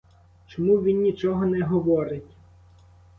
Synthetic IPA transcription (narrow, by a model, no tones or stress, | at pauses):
t͡ʃɔmuʋʲinːʲit͡ʃɔɦɔnɛɦɔʋɔɾɪtʲ